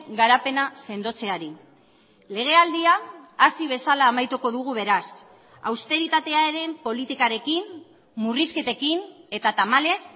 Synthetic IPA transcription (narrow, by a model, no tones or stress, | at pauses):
ɡaɾape̞nase̞nd̪o̞t͡se̞aɾi | le̞ɣ̞e̞ald̪iaːsiβ̞e̞salaːmajt̪uko̞ðuɣ̞uβ̞e̞ɾas | awst̪e̞ɾit̪at̪e̞aeɾe̞mpo̞lit̪ikaɾe̞kimː | uriske̞t̪e̞kine̞t̪at̪amale̞s